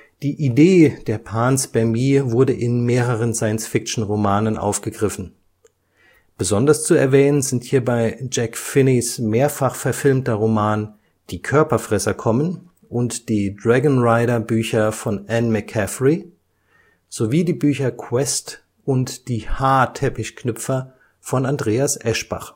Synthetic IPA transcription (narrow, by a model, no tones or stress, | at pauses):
d̥iːʔideːd̥eːɐpʰaːnsb̥ɛɐmiːvʊɐdəʔɪnmeːʁəʁ̞ənzaɪənsfɪkt͡ʃn̩ʁomaːnənʔa̰ʊfɡ̥əɡʁɪfn̩ | b̥əzɔndɐst͡suɛ̰ɐvɛːnənzɪnthiːɐbaɪd͡ʒɛkfɪnɪsmeːɐfaχfɛɐfɪlmtɐʁomaːn | d̥iːkʰœɐpɐfʁ̥ɛsɐkʰɔmən | ʔʊntd̥iːdʁɛɡnʁaɪɾɐbyːçɐfɔnʔænmɛkʰɛfʁi | z̥oviːdiːbyːçɐkʰwɛst | ʔʊntd̥iːhaːtʰɛpɪçkʰnʏpp͡fɐ | fɔnandʁeːasʔɛʃb̥a̰χ